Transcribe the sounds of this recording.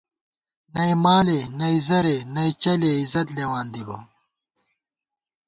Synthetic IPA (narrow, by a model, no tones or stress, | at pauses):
nɐimaːlenɐizɐɾenɐit͡ɕɐleizɐt̪leːwaːnd̪ibɐ̰